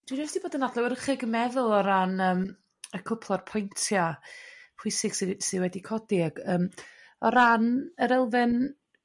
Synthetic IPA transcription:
d̥wɪɔsd̥iboːdənadlˠɛwərχɪɡəmɛðʊlˠɔɾanəːm | əkʰʊpʰlˠɔrpʰɔjntʰjapʰwɪsɪɡ̥sɪsɪwɛdikʰɔdɪaɡəːm | ɔɾanəɾɛlˠvɪn

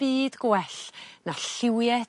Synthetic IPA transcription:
b̥iːdɡwɛɬnaɬɪwjɛ

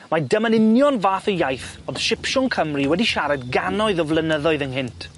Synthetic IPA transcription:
madəmənɪnjɔnvaːθəjajθɔð̥ʃɪpʃʊŋkʰəmriwɛdiʃaɾɛdɡanɔɨðɔvlˠənəðɔɨðənɦɪntʰ

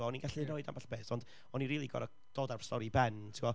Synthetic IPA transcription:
ɔɔniɡaɬinoɨda̰mbaɬbeːθɔnd̥ | ɔniɾiːlˠiɡɔ̰dɔ | d̥oːdarstɔɾibɛntʰiwɔ

